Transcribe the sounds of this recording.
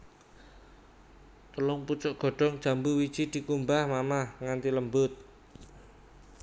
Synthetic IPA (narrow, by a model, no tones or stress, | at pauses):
t̪əlʊŋput͡ʃɔʔɡ̥ɔ̤ɖ̥ɔ̤ŋd̥ʒ̥ä̤mbuwid̥ʒ̥id̪̥i̤kumbahmamahŋant̪iləmbʊt̪̚